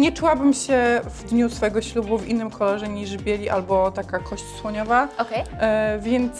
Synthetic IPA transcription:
ɲɛt͡ʂuwabɘmɕɛvd̪ɲusfɔjɛɡɔɕlubuvʲḭnːɘmkɔlɔʐɛɲiʐbʲjelʲiʔalbɔt̪akakʰɔɕt͡ɕswɔɲɔvaɔkɛvʲjɛnt̪s

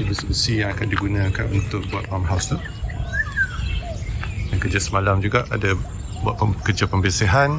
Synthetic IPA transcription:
ibisəsijaŋakandiɡunãkanunt̪ʊk̚buat̪̚wamɦawst̪uh | dankəd͡ʒasəmalamd͡ʒuɡaʔada | bua̰ʔkərd͡ʒapəmbisiɦan

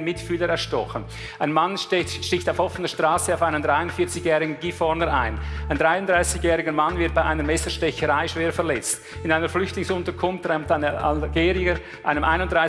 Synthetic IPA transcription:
nmɪtfyːləɛɾʃtɔxən | aɪnmanʃtɪçtaʊfhɔfənəʃtʁ̥aːsəaʊfaɪnəndʁaɪʊnfiːɐt͡sɪçjɛːʁɪɡn̩ɡ̥iːfɔɾnəɾa̰ɪnaɪnd̥ʁaɪʊnd̥ʁaɪsɪçjɛːɾɪɡəmanvɪɐt̚b̥aɪʔaɪnəɾmɛsəʃtɛçəɾaɪʃv̥eːɐɾfɛɐɾlɛt͡st | ɪnaɪnəɾflʏçtlɪŋsʊntəkʰʊnftʁaɪmtaɪnəʔa̰lɡ̥eːɾiəɾ | ʔaɪnəmʔa̰ɪnʊntd̥ʁaɪ

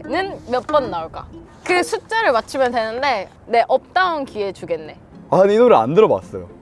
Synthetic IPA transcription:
nɯnmjʌt̚p͈ʌnːauɭk͈a̰ | kɯsʰut͡ɕ͈aɾɯɭmat͡ɕʰimjʌndwe̞nɯnde̞ | ne̞ʔʌp̚t͈aunkiet͡ɕuɡe̞nːe̞ | aninoɾɯɭa̰ndɯɾʌbwa̰s͈ʌjo̰

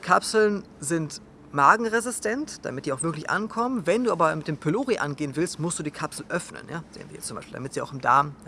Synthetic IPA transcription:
kʰapsl̩n | zɪnt | maːɡŋ̩ʁezɪstʰɛntd̥a̰mɪtd̥iːaʊxv̥ɪɐklɪçʔa̰nkʰɔmənvɛnduːʔaːbɐmɪt̚d̥eːmpʰeloːʁiʔa̰nɡeːənvɪlstmʊstd̥uːdiːkʰapsl̩ʔœfnə̰njaːz̥ḛːənviːɐjɛt͡sʊmbaɪʃpiːldamɪtz̥iːaʊxɪmda̰ːm

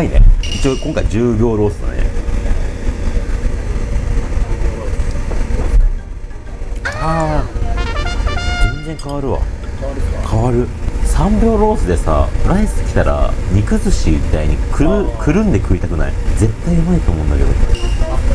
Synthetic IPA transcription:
ainḛit͡ɕiokõŋkaid͡ʑɨːbʲo̞ːɾo̞ːsɨna̰nḛ | a | zẽ̞nzẽ̞ŋkaβaɾɯ̟βa̰ | kʰaβaɾɯ̟sãmbʲo̞ːɾo̞ːsɨd̪e̞sa̰ɾaisɨ̥kʲi̥t̪aɾa̰ɲ̟ikɯzɨɕimʲit̪aiɲ̟ikɯ̟kʰɯ̟ɾɯ̟̃nd̪ekɯ̟it̪akɯ̟na̰id͡ze̞t̪ːaiɯmait̪o̞ːmo̞ɯ̃nake̞d̪o̞̰

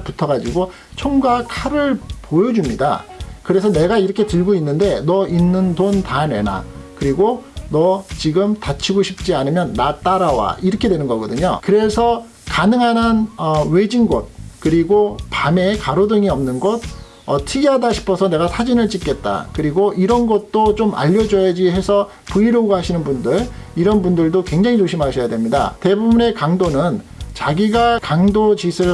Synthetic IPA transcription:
putʰʌɡad͡ʑiɡo | t͡ɕʰoŋɡakʰaɾɯɭpojʌd͡ʑumɲida̰kɯɾe̞sʰʌne̞ɡaiɾʌkʰe̞tɯɭɡoinːɯnde̞nʌinːɯntontane̞̰na̰kɯɾiɡonʌt͡ɕiɡɯmtat͡ɕʰiɡoɕʰip̚t͡ɕ͈ianɯmjʌnːat͈aɾawa̰iɾʌkʰe̞dwe̞nɯnɡʌɡʌdɯɲo̰kɯɾe̞sʰʌ | kanɯŋɦanɦanʌwed͡ʑinɡʌt̚kɯɾiɡopame̞kaɾodɯŋiʌmnɯnɡʌt̚ | ʌtʰɯɡiɦadaɕʰi̥pʰʌsʰʌne̞ɡasʰad͡ʑinɯɭt͡ɕ͈ik͈e̞t̚t͈a̰kɯɾiɡoʔiɾʌnɡʌt̚t͈ot͡ɕomʔa̰ʎːʌd͡ʑʌjad͡ʑiɦe̞sʰʌ | puiɾoɡɦaɕʰinɯnbundɯɭiɾʌnbundɯɭdokwe̞ŋd͡ʑaŋit͡ɕoɕʰimaɕʰʌjadwe̞mɲida̰te̞bubune̞kaŋdonɯn | t͡ɕaɡiɡakaŋdot͡ɕisʰɯ

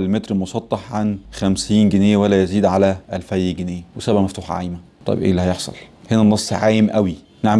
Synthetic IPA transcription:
lmet̪ɾmosˤɑt̪ˤːɑħʕanxæmsiːnɡeneːjæwælːæjæziːd̪ʕalæʔælfæjːæɡenejæwesæbʕæmæft̪uːħʕa̰jmæt̪ˤɑ̰j̰bʔḛːlːihæjeħsˤɑ̰lhenænːɑsˤːʕaːjemʔæwi | neʕm

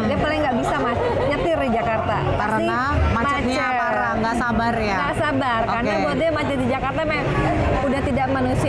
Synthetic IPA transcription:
diapalɪŋɡaʔbisamat͡ʃ | ɲət̪ɪrid͡ʒakart̪a̰ | aɾəsia | mamat͡ʃəaɾaŋasabarjaɡasabarkarnabodɛmat͡ʃədid͡ʒakart̪amɛ | udaht̪idaʔmanusi

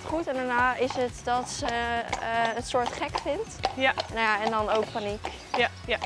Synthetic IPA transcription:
χutɛndanaːɪsətdɑtsə | ənsʊːɹtχɛkfɪntnajaɛndɑnowk̚panik

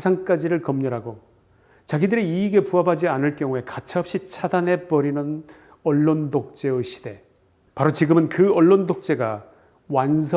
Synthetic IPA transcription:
sʰaŋk͈ad͡ʑiɾɯɭkʌmɲʌɾɦaɡo | t͡ɕaɡidɯɾiiːɡe̞puabad͡ʑianɯɭk͈jʌŋue̞kat͡ɕʰaʌp̚ɕ͈it͡ɕʰadanɦe̞pʌɾinɯn | ʌɭːondok̚t͡ɕ͈e̞ɯɕʰi̥de̞ | paɾot͡ɕiɡɯmɯnkɯʌɭːondok̚t͡ɕ͈e̞ɡa | wansʰ

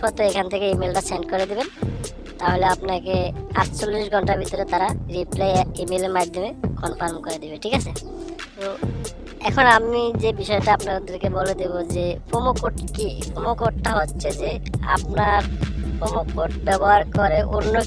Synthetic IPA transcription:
ɔt̪oekʰant̪ʰekeimelʈaseɳʈkoɾed̪iben | t̪aɦoleapnakea̰ʈt͡ɕolːiʃɡʱɔɳʈaɾbʱit̪oɾet̪aɾaɾiplajimeleɾmad̪ʱːomekɔnpʰaɾmkoɾed̪ibeʈʰikat͡ɕʰe | t̪o | ɛkʰonamid͡ʑebiʃɔeʈaapnaɾd̪eɾkeboled̪ibod͡ʑepʰomokoʈkipʰomokoʈʈaɦotːɕʰed͡ʑea̰p̚naɾpʰomokoʈbɛbɔɦaɾkɔɾeʔoɾno

